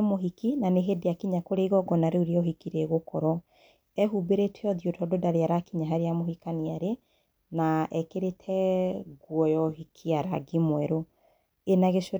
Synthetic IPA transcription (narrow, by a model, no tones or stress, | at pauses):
moɦikinaneɦedeakiɲakoɾeiɣɔɡɔnaɾeuɾeɔɦikiɾɛɣokɔɾɔ | ɛɦubeɾetʰeɔðiotʰɔdodaɾeaɾakiɲaɦaɾeamohikaniaɾe | naʔɛkeɾetʰɛɡwɔjɔɦikʰiaɾa̰ɡimwɛɾo | enaɣeʃo